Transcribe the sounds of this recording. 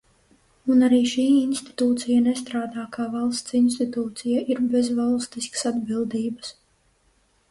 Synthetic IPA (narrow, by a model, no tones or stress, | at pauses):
unaɾiːʃiːinst̪i̥t̪uːt̪sijanɛst̪ɾaːd̪aːkaːvalˠst̪sinst̪it̪uːt̪sijaʔiɾbɛzvalˠst̪iskə̥sad̪bilˠd̪iːbəs